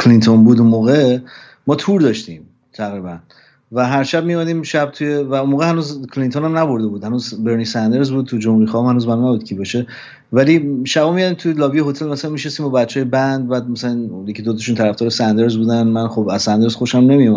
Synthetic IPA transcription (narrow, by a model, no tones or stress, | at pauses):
kʰlint̪ʰonbuːd̪unmoːɣe | mɒːt̪ʰuːɾd̪ɒʃt̪ĩːm | t̪ʰæɣɾiːbæn | væɦæɾʃæb̚mijomæd̪iːmʃæb̚t̪ʰujevæunmoːɣehænuːzkʰlint̪ʰonæmnæbo̞ɾd̪e̞buːd̪hænuːzbe̞ɾnisænd̪e̞ɾzbuːd̪̚ʰud͡ʒomuɾixɒːɔmhænuːzbænɔnæbuːd̪̥̚kcʰibɒːʃe̞ | væliːʃæbɒːmijæd̪it̪ʰujelɒːbijeɦot̪ʰelmæsælænmiʃnest̪imbɒbæt͡ʃʰːjebænd̪̚bæːd̪̚mæsælænjecʰid̪ot̪ʰɔʃunt̪ʰæɾæft̪ɔːɾesænd̪e̞ɾzbuːd̪ænmænxobæzsænd̪e̞ɾz̥xoʃæmnemijomæ